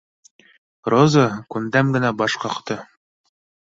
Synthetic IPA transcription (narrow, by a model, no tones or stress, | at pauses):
rozakund̪æmɡɘ̆næbɒʃqɑqt̪ɤ